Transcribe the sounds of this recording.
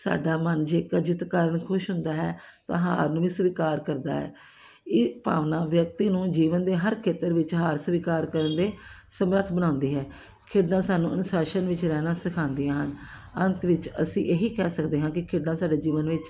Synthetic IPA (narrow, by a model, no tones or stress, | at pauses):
sa̰ːɖaːmənd͡ʒeːkːd͡ʒɪt̪kaːɾəɳkʰʊʃɦʊnd̪aːɦɛːt̪ã̰ːɦa̰ːɾnũːʋiːsʋiːkaːɾkəɾd̪a̰ːɦɛ̰ː | ɪpa̰ːʋnãːʋjək̚t̪iːnũːd͡ʒiːʋənd̪eːɦəɾkʰeːt̪əɾʋɪt͡ʃɦaːɾsʋiːkaːɾkəɾənd̪eːsəmɾət̪ʰbənãːnd̪iːɦɛː | kʰɪɖnãːsaːnũːʔənʊsaːʃənʋɪt͡ʃɾɛːnãːsɪkʰãːnd̪ijãːɦən | ənt̪ʋɪt͡ʃə̰sḭ̃ːʔeːɦiːkɛːsəkd̪eːɦãːkɪkʰɪɖnãːsaːɖeːd͡ʒiːʋənʋɪt͡ʃ